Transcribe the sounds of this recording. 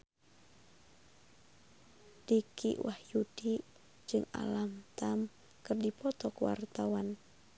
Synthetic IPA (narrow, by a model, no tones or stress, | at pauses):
d̥ikḭwʔahjud̥i | d͡ʒɨŋa̰lamt̪am | kɨrdipɔt̪ɔkwa̰rt̪awan